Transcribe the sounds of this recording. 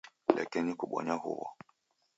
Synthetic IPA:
lakinikuɓɔ̰ɲahṵwɔ

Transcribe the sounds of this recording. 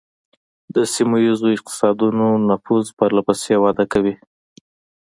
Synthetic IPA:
d̪əsimujizoɪq̚t̪ɪ̥sɑd̪unonafuzpəɾlapasewɑd̪akawi

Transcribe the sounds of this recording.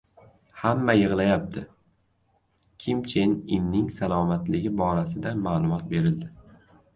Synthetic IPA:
hamːajɨʁlˠajap̚t̪ʰɪ | kʲʰɪmt͡ʃʰenɪmnɪŋsalˠɒmat̪lɪɡʲɪbɒɾasɪd̪amaːlˠʊmɒt̪̚be̞ɾɪld̪ɪ

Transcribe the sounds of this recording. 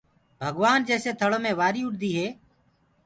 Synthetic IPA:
bʱəɡʋaːnd͡ʒɛːseːt̪ʰəɭoːmẽːʋaːɾiːʊʈd̪iːɦeː

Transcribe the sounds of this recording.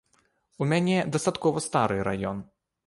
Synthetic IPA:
umʲanʲɛd̪ɐst̪at̪kɔvɐst̪aɾɨɾa̰jɔn

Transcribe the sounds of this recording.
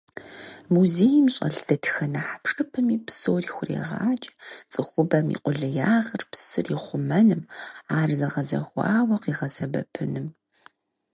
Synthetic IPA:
muzeːjmɕʼɐ̰ɮdʰɐtʰxɐnaħḁpʂʼɨpʰɨmiːpsoːrixʷʊrḛʁa̰ːt͡ʃʼt͡sʼɨxʷʊbɐmḭqʷʼʊɮɨjaːʁɐrpsɨriχʷʊmɐnɨmaːrzɐʁɐzɐ̰xʷɑ̰ːwɐqiʁɐsɐbɐ̰pʰɨnɨm

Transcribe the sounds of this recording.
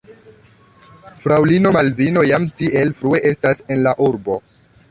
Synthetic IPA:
fɾawlino̞malvino̞jamtiʔe̞lfɾue̞ʔe̞stase̞nlaʔuɾbo̞

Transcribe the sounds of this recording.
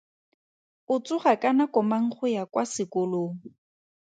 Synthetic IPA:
ʊt͡sʼʊχakʼanakɔmaŋ̩χʊjakwasɪkʊloːŋ̩

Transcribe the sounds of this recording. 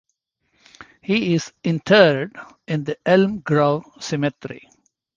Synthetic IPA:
hiɪzɪ̃nʈʰəɾɖ | ɪ̃nd̪əɛlmɡɾoʋsɪmɛʈɾḭ

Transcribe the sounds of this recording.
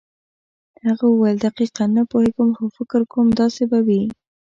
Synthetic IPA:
haɣawald̪aqiqanapoheɡəmxofɪkɪɾkomd̪ɑsebawi

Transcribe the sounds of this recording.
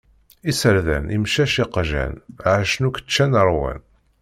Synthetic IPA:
isəɾðæ̰nimʃæʃiqʒæ̰nʕaʃnukə̥t͡ʃːænəɾˤwæ̰n

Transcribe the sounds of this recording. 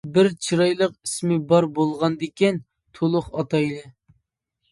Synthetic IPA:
bɪɾt͡ʃʰiɾɑjlˠəqismɪbɑɾbolˠʁɑnd̪ɪkʲɛn | t̪ʰolˠʊχɑt̪ɑjlˠɨ

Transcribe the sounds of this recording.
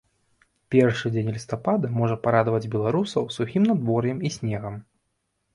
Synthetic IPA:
pʲɛrʂɨd͡zʲenʲlʲist̪apad̪ɐmɔʐɐpaɾad̪vɐd͡zʲbʲɛlˠaɾusɐwsuxʲimnad̪vɔrjɛmisʲnʲɛɣɐm

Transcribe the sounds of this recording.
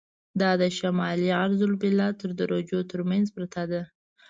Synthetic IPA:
d̪ɑd̪əʃamɑliaɾzʊlbɪlːɑt̪əɾd̪əɾod͡ʒot̪əɾmanzbɾat̪ad̪a

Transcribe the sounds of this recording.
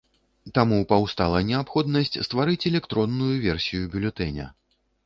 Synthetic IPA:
t̪amupawst̪alˠɐnʲɛapxɔd̪nɐsʲt͡sʲst̪vaɾɨt͡sʲɛlʲɛkt̪ɾɔnːujuvʲɛrsʲijubʲulʲɛt̪ɛnʲɛɐ̰

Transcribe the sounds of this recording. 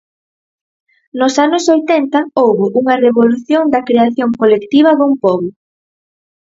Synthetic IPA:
nosanʊsojt̪ɛnt̪ɐowβʊʔuŋɐreβoluθjoŋd̪ɐkɾeaθjoŋkolekt̪iβ̞ɐðumpɔβʊ

